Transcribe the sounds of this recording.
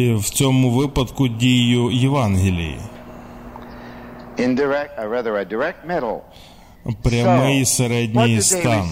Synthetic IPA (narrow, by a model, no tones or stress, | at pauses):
wt͡sʲɔmʊʋɪpɐd̪kʊdʲijʊjɪʋanɦʲɪlʲɪ̰jḭ | ɪ̃ndə˞ɛk̚aɹæðə˞ɨdəɹɛk̚t̚mɛɾl̩ˠ | pɾʲɐmɪjisɐɾɛdʲnʲijstt̪an